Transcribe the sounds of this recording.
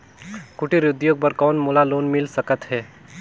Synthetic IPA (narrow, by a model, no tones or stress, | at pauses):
kʊʈiɾʊd̪joːɡ̚pəɾkɔːnmuːlaloːnmɪlsəkət̪ɦɛː